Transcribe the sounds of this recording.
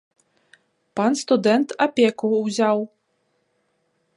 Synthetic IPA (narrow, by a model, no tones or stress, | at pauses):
panst̪ud̪ɛnt̪apʲɛkuzʲaw